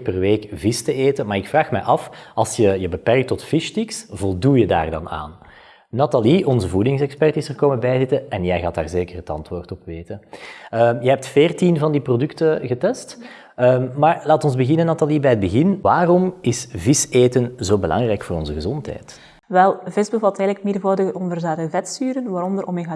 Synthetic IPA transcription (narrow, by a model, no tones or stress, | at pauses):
pɛrʋeːkvɪstəeːtənmaːrɪkfraːxmɛ̰jʔɑfɑlˠsjəjəbəpɛrk̚tɔtfɪʃtiksvɔlˠdujəda̰ːrdɑ̰na̰ːnː | ɑtaliʔɔnzəvudɪŋsɛkspɛrtɪsərkoːməbɛjzɪtəɛnjɛjɣaːtaːrzeːkərɦətɑ̰ntʋoːrtɔpʋeːtəəjəɦɛp̚tfeːrtinvɑndiprodʏktəɣətɛst | əmaːrlaːtɔnzbəɣɪnənːɑtalibɛːjɦəd̚bəɣɪnʋaːrɔmɪsvɪseːtənzoːbəlʔɑ̰ŋrɛjkfoːɾɔnzəɣəzɔntɦɛ̰ːt | ʋɛlˠvɪsbəvɑltɛɣləkmedvoːdəɣəʔɔmvɛrzaːdəvɛtstyːɾənʋaːɾɔndəɾʔɔmeɣa